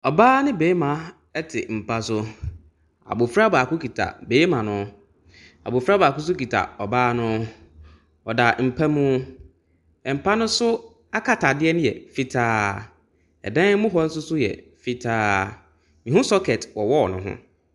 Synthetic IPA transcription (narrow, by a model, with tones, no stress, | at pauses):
ɔ˨baː˦nɪ̃˦beː˨˦mã˨ | ɛ˦tʰɪ˨m̩˨pʰa˦sʊ˦ | a̰˨bʊ˨fɾa˦ba˨kʊ˦kʰi˨tʰa̰˨beː˨˦mã˨nʊ̃˦ | a̰˨bʊ˨fɾa˦baː˨kʊ˦s̬ʊ˦ki˨tʰa̰˨ɔ˨baː˦nʊ̃˦ | ɔ˨da˨m̩˨pʰa˦mũ˦ | ɛ˨m̩˨pʰa˦nʊ̃˦sʊ˦ | a˦kʰa˨tʰa˨dɪ˦ɛ˦nʊ̃˦jɛ̰˨fi˦tʰaː˦ | ɛ̰˨dã˦mʊ̃˦ɦɔ˦n̩˦sʊ˦sʊ˦jɛ̰˨ | fi˦tʰaː˦ | mĩ˨ɦʊ̃˦sɔ˦kʰɛ˨twɔ˨wɔ˦ɔ˨nʊ̰̃˨ɦʊ̰̃˦